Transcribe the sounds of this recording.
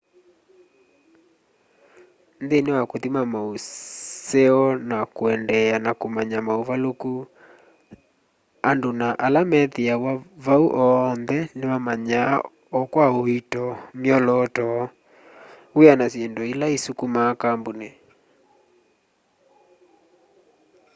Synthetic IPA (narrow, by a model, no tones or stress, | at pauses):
nðenewakoðimamausɛɔnakoɛndɛanakomaɲamauvaloku | andonaʔalamɛðiawavauʔɔnðɛnewamaɲa | ɔkwaoitɔmiɔlɔːtɔ | ujanasiɛndɔilaisukumakambone